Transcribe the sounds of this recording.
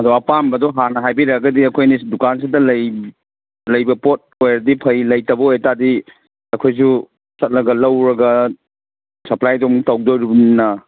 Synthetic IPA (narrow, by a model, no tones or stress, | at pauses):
ɐdoɐpambɐdɔɦanɐɦajbiɾɐɡɐdiɐkʰojnidukans̬idɐlɐj | lɐjbɐpot̚ojɾɐdipʰɐjlɐjtɐbɐojtadi | ɐkʰojs̬u | sɐt̚nɐɡɐlɐwɾɐɡɐ | sɐplajdɔmutawɡ̚doɾibunnɐ